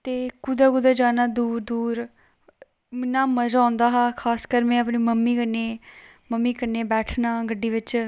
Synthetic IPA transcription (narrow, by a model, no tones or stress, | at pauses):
t̪eːkʊd̪aːkʊd̪aːd͡ʒaːnaːd̪uːɾd̪uːɾ | mɪnːaːməd͡ʒãːnd̪aːɦaːkʰaːskəɾmẽːəpniːməmːiːkəneː | məmːiːkəneːbɛːʈʰnaːɡəɖːiːʋɪt͡ʃ